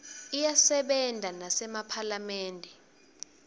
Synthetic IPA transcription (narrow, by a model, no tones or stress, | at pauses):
ijasɛɓɛndʱanasɛmapʰalamɛːndʱɛ